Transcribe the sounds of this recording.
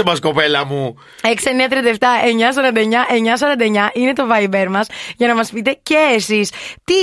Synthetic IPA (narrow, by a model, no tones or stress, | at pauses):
omɐsko̞pelɐmu | ekseniɐt̪ɾiɐnd̪eft̪ɐe̞ɲɐs̬ɐɾɐnd̪ɐeɲɐʔe̞ɲɐs̬ɐɾɐnd̪ɐe̞ɲɐʔine̞t̪o̞vɐibe̞ɾmɐsʝɐnɐmɐspit̪e̞ceːsist̪i